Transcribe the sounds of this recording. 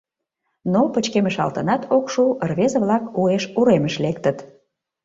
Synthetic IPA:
nopət͡ɕkeməʃɑ̰lt̪ənɑt̪ʰokʃuərβezə̆βlɑkueʃuɾeməʃlek̚t̪ət̪

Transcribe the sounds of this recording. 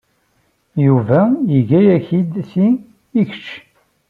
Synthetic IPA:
juvæjəʝæjæçid̪θi | iç̥t͡ʃː

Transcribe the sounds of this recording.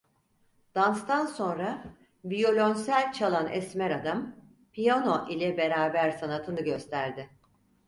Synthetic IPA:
d̪̥anst̪ʰanso̞nɾa | vijo̞lʲo̞nsælʲt͡ʃʰalˠanɛ̰smɛɾad̪am | pʰijano̞ʔilʲɛbe̞ɾaːbæɾsanat̪ʰɯnɯɟø̞st̪ʰæɾd̪ɪ

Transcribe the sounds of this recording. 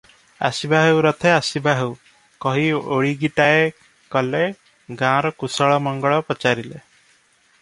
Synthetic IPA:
a̰sibaɦewɾɔt̪ʰeasibaɦew | kɔɦioɭiɡiʈae | kɔle | ɡãɾɔkusɔɭɔmɔŋɡɔɭɔpɔt͡ʃaɾile

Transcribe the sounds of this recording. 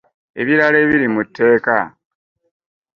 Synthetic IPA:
e̞̰βiɾaleːβiɾimutʰːe̞ːka

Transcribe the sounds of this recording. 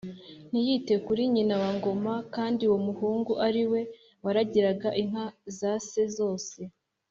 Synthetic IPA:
n̥ijite̞kuɾiɲinawaŋɡo̞makaːndiwomuhuːŋɡuʔaɾiwe̞ | waɾaɟiɾaɡaʔiŋ̥azase̞zo̞ːse̞

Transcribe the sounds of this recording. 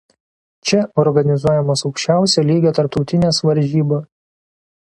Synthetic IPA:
t͡ʃʲɛɔɾɡɐnʲɪzuɔjɛmɐsɒʊkʃʲt͡ʃʲæˑʊsʲɛlʲiːɡʲet̪ɐɾp̚t̪ɒʊt̪ʲɪnʲeːsʋɐɾʲʒʲiːbɐs

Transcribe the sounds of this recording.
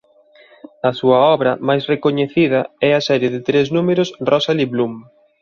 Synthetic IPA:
ɐsuɐɔβɾɐmajsrekoɲeθið̞ɐɛɐsɛɾjɪðɪt̪ɾeznumeɾʊsrɔsaliβlum

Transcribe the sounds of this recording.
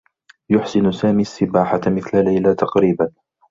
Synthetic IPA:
jʊħsɪnsaːmiːsːɪbaːħamɪθlalajlat̪ɑqɾiːban

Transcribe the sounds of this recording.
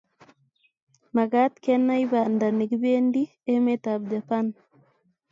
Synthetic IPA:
maɡat̪kɛnaiβandanikβendi | emet̪ab̚d͡ʒapan

